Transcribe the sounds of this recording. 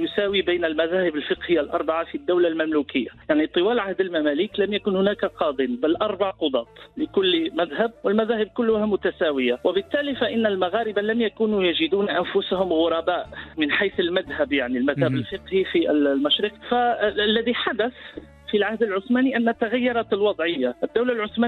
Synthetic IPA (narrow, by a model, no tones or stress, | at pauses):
jʊsaːwibijnalmæðaːhɪbəlfəqhɪjːalʔɑ̰ɾˤbaʕafid̪ːawlalmæmlukɪjːajaʕnit̪ˤɨwæːlʕahd̪əlmæmæːliklæmjakʊnhʊnæːkaqɑːd̪ˤənbalʔɑɾˤbaʕqʊd̪ˤɑːt̪ˤlɪkʊlːmæðhab̚wəlmæðæːhɪb̚kʊlːʊhamʊt̪asaːwɪjawɪbɪt̪ːæːlifaʔɪnːalmaɣaːɾɪbalamjakuːnujaʒɪd̪uːnʔænfʊsahʊmɣʊɾˤɑbaːʔmɪnħajθəlmaðhabjaʕnilmæðhabəlfəqhifillmaʃɾiqfalːæðiħad̪æθ | filʕahd̪əlʕʊsmæːniʔænːat̪ːaɣajːɑɾˤɑt̪lwɑd̪ˤʕəjːaʔəd̪ːawlalʕʊsmæː